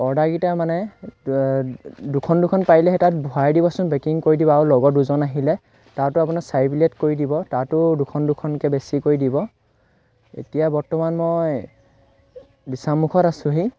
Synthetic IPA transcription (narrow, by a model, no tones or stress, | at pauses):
ɔɹdaɡitamanɛ | dukʰɔndukʰɔnpajlɛɦɛtat̚bʱɔajdibɔsʊ̃nbɛkiŋkoɹidibɔaɹulɔɡɔduzɔnaɦilɛ | taɹtʊap̬unasajbiletkoɹidibɔtaɹtʊdukʰɔndukʰɔnkɛbesikoɹidibɔ | ḛtijabɔɹtɔmanmoj | disamukʰɔtasʊ̃ɦi